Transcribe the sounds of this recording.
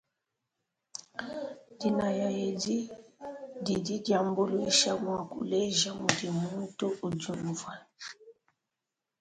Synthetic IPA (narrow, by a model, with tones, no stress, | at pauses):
di˨na˨ja˨je˨di˦ | di˨di˦dja˨mbo˦lwi˦ʃa˦mwa˨kṵ˨le˦ʒa˦mu˨di˨mu˦n˦to˦u˨d͡ʒu˨m˨va˨